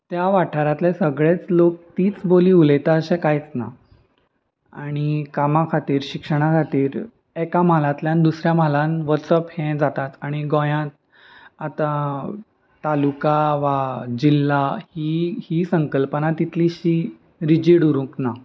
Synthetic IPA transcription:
t̪jaʋaʈʰaɾat̪lẽsəɡɭet͡slok̚t̪iːt͡sboliːuləjt̪aəɕɛ̃kajt͡sna̰ | aɽ̃ikamakʰat̪iːɾɕikʂəɽ̃akʰat̪iːɾ | ɛkamalãt̪ljãnd̪usɾjamalãnʋəɾsəphɛ̃d͡zat̪at̪aɽ̃iɡɔ̃jãt̪̚ | at̪a | t̪ːalukaʋad͡ʑilːahihiːsəŋkəlpənat̪it̪liɕiː | ɾid͡ʑiːɽuɾũkna

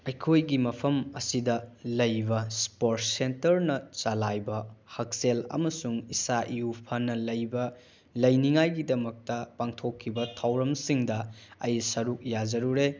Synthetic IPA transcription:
ɐjkʰojɡimɐpʰɐmɐsidɐlɐjbɐspoɾt̚sentɐɾnɐt͡ʃalajbɐhɐk̚selɐ̰mɐsuŋisaʔijupʰɐnːɐlɐjbɐ | lɐjniŋajɡidɐmɐk̚tɐpaŋtʰokʰːibɐtʰawɾɐmsiŋdɐɐjsɐɾuk̚jad͡ʒɐɾuɾe

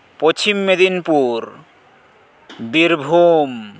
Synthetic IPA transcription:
pot͡ɕʰimːed̪inpuɾ | biɾbʱum

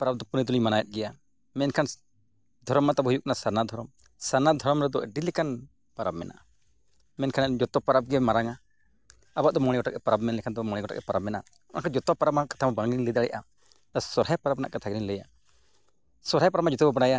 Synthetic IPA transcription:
paɾab̚d̪ɔpunid̪uliɲmanajɛt̪̚ˀɡɛja | mɛnkʰan | d̪ʱɔɾɔmːat̪abhujuk̚nasaɾnad̪ʱɔɾɔm | sanad̪ʱɔɾɔmɾɛd̪ɔʔɛɖilɛkan | paɾabmɛ̰nʔa̰ʔa | mɛnkʰanɛd͡ʒɔt̪ɔpaɾab̚ɡɛmaɾaŋaː | baʔd̪ɔmɔɽ̃ɛɡɔʈak̚ɛpaɾabmɛnlɛkʰand̪ɔmɔɽ̃ɛɡɔʈa̰k̚ɛpaɾab̚mɛna̰ | ɔʔakʰand͡ʒɔt̪ɔpaɾabaaʔkḁt̪ʰambaŋinlid̪aɽɛ̰jʔa | d̪asɔɾhajpaɾabnaʔkat̪ʰaɡniɲlɛja | sɔɾɦajpaɾabmad͡ʒɔt̪ɔbɔbaɽaja

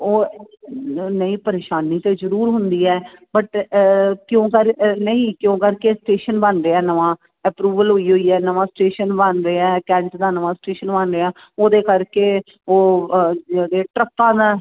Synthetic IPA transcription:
oː | nəĩːpəɾeːʃaːniːt̪eːzəɾuːɾɦʊnd̪iːɛːbəʈ | kjõːkəɾnəĩːkjõːkəɾkeːsʈeːʃənbənɾeːaːnəʋãː | ɛpɾuːʋəlɦoːiːɦoːiːɛːnəʋãːsʈeːʃənbənɾeːɛːkɛ̃ːɳʈd̪aːnəʋãːsʈeːʃənbənɾeːãː | oːd̪eːkəɾkeː | oː | d̪eːʈɾəp̚pãːd̪aː

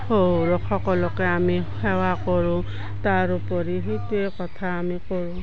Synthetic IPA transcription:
holokʰɔkɔlɔkeamihɛwakɔɹũ | taɾupɔɾiɦetuekɔt̪ʰaːmikɔɹũ

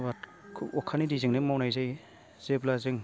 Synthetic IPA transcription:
bat | kʰɯɔkʰanidizɯŋnɯmawnajzaj | z̥eblazɯŋ

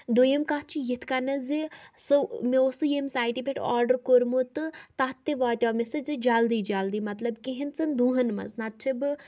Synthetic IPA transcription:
d̪ojɐmkatt͡ʃʰijit̪ʰkanɐzisɨmeosɨjemʲsaːjʈibʰʱʲeʈa̰ːɾɖəɾkoɾmut̪ɨt̪aɦt̪ːeʋaːt̪ʲaːmesɨzɨd͡ʒaːld̪iːd͡ʒaːld̪iːmɐt̪lɐbkeɦint͡sɐnd̪uːɦɐnmɐ̰znat̪̚t͡ʃʰib

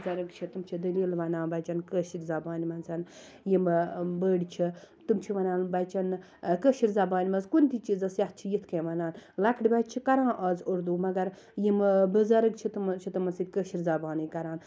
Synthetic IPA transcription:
zɐɾɨɡt͡ʃʰit̪ɨmt͡ʃʰid̪ɐliːlʋɐnaːnbɐjt͡ʃɐnkəːʃiɾʲzɐbaːnimɐnsʰɐn | jimbəːɽʲt͡ʃʰit̪ɨmt͡ʃʰiʋɐnaːnbɐjt͡ʃɐn | kəːʃiɾʲzɐbaːnimɐnzkunʲt̪it͡ʃizɐsjɐh̚t͡ʃʰijit̪ʰkeːʋɐnaːnlɐkʰɽibɐt̪t͡ʃʰikɐɾãːʔɐːzoɾd̪uːmɐɡɐɾ | jimbɨzɐɾɨɡ̚t͡ʃʰit̪ɨmt͡ʃʰit̪ɨmɐnsid̪ʲkəːʃiɾʲzɐbaːniːkɐɾaːn

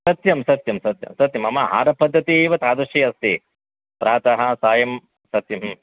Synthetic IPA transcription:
sɐt̪jɐmsɐt̪jɐmsɐt̪jɐ̰msɐt̪jɐmɐmɐɦa̰ːɾɐpɐd̪ʱːɐt̪ieːʋɐt̪aːd̪ɐʃiːɐst̪i | pɾaːt̪ɐɦɐsaːjɐm | sɐt̪jɐm

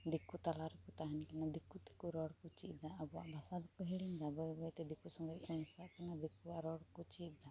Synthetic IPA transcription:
d̪ikut̪alaɾɛkut̪aɦɛnkanad̪ikut̪ɛ̥kuɾɔɽkut͡ʃiʔ̚d̪aːbɔaʔbʱasad̪kɔɦɛɽiɲd̪abɔbɔjt̪ɛd̪ikusɔŋɡɔjɔnsaʔkanad̪ikuwaɾɔɽkut͡ʃiʔ̚d̪a

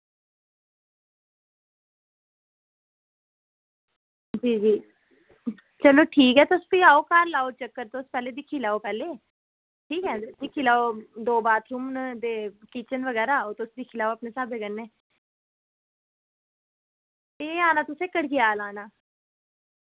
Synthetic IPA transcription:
d͡ʒiːd͡ʒiː | t͡ʃəloːʈʰiːkɦɛːt̪oʊspiaːoːkaːɾlaːoːt͡ʃəkːəɾt̪oʊspɛːleːd̪ɪkʰiːlaːoːpɛːleː | ʈʰiːkɦɛːd̪ɪkʰːiːlaːod̪oːbaːt̪ʰɾuːmnd̪eːkiːt͡ʃənʋəɡɛːɾaːot̪oʊsd̪ɪkʰiːlaːoapneːsaːbeɡənːeː | t̪eaːnaːt̪ʊseːkəɽkijaːlaːnaː

